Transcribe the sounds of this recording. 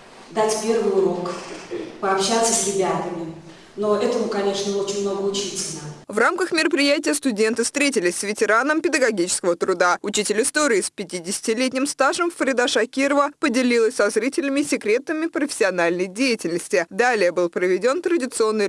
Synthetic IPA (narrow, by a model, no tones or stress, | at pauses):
d̪atʲpʲervɨjʊɾo̞kpəɐpɕat̪səsʲɾʲɪbʲat̪əmʲɪ | no̞ɛt̪əmʊkɐnʲe̞ʂnəo̞t͡ɕɪnʲmno̞ɡəʊt͡ɕitʲɪlʲnəvramkəxmʲɪɾəpɾʲɪjætʲɪjəst̪ʊdʲe̞nt̪ɨfst̪ɾʲetʲɪlʲɪsʲsʲvʲɪtʲɪɾanəmpʲɪd̪əɡɐɡʲit͡ɕɪ̥skəvət̪ɾʊd̪aʊt͡ɕitʲɪlʲɪst̪o̞ɾʲɪːspʲɪtʲidʲɪsʲɪ̥tʲɪlʲetʲnʲɪmst̪aʐəmfɾʲɪd̪aʂɐkʲiɾəvəpədʲɪlʲilˠəsʲsɐzɾʲitʲɪlʲɪmʲɪsʲɪkɾʲe̞t̪əmʲɪpɾəfʲɪ̥sʲɪɐnalʲnəjdʲejɪtʲɪlʲnəsʲtʲɪd̪alʲɪjəbɨlˠpɾəvʲɪdʲo̞nt̪ɾədʲɪt̪sɨo̞nːɨ